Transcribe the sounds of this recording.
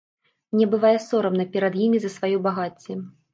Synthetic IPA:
mnʲɛbɨvajɛsɔɾɐmnɐpʲɛɾɐd̪jimʲizɐsvajubaɣat͡sʲːɛ

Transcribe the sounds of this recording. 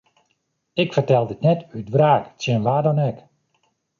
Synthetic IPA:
ɪkfərtɛlˠdɪtnɛtydʋraːktjənʋaːdɔnɛk

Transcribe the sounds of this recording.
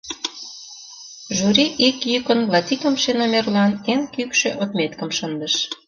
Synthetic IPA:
ʒuɾiʔikjykənlɑt̪ʲikəmʃenomerlɑneŋkykʃeʔot̪met̪kəmʃənd̪əʃ

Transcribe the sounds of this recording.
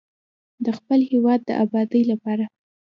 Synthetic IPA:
d̪əxpəlhewɑd̪̚ːə̰ʔabɑd̪əjlapɑɾa

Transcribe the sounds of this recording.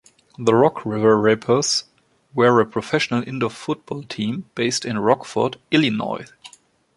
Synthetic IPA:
ðəɹɔkʰɹɪvə˞ɹepʰə˞z | wəɹəpʰɹ̥ɔfɛʃənəlʔɪ̃ndəfʊt̚b̥ɔːlˠtʰĩːmb̥eɪstɪ̃nɹɔkfə̰˞dɪlinɔ̰ɪ

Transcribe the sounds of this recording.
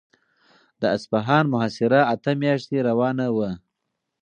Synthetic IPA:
d̪əaspaɦɑːnmʊɦasɪɾaat̪əmjɑʃt̪eɾawɑːnawə

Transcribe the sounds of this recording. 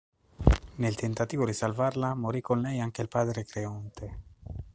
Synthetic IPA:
nelt̪ent̪at̪iːvod̪isalvarlamoɾikːonlɛjaŋk̟eilpaːd̪ɾekɾeɔnt̪e

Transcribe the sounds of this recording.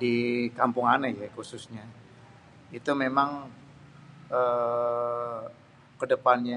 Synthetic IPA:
dikampʊŋanajakususɲa | it̪umemaŋ | ʔə | kədəpanɲa

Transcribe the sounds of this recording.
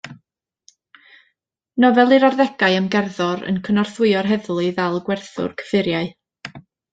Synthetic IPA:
nɔvɛlˠɨɾɔrðɛɡ̥aɨəmɡɛrðɔɾə̰nkʰənɔrθwɪɨɔrɦɛðlˠɨvɛlˠɡwɛrθʊ̰rkʰə̥fɪɾjaɨ

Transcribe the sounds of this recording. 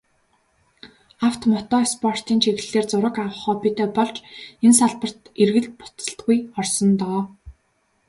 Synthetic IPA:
awt̪mɔt̪ɔːspʰɔr̥t̪iːnt͡ɕʰiɣɘ̆ɮeːrt͡sʊɾə̆kawə̆χɔːpit̪eːpɔɮt͡ɕensaɮpə̆r̥t̪erɣɘ̆ɮpʊ̥t͡sə̆ɬt̪ɡujɔrsɞ̆nt̪ɔː

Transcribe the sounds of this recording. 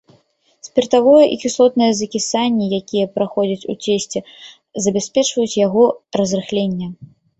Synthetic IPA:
sʲpʲɛrt̪avɔjɐʔikʲisˠɔt̪̚nɨjɐzɐkʲisanʲːijakʲijɐpɾaxɔd͡zʲɐt͡sʲṵt͡sʲesʲt͡sʲɛ | zɐbʲasʲpʲɛt͡ʂvɐjut͡sʲjaɣɔrɐzrɨxlʲenʲːɐ

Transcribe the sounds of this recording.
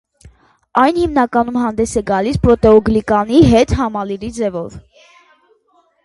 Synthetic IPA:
ɑjnhimnɑkɑnumɦɑnd̪ɛsɛɡɑlispɾɔt̪ɛɔɡlikɑniɦɛt̪hɑmɑliɾid͡zɛvɔv

